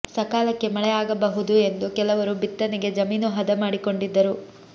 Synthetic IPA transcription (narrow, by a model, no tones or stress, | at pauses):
sɐkaːlɐkːe̞mɐɭɛjaːɡɐbɐɦud̪ue̞nd̪ukɛlɐʋɐɾubit̪ːɐniɡe̞d͡ʒɐmiːnuɦɐd̪ɐmaːɽiko̞ɳɖid̪ːɐɾu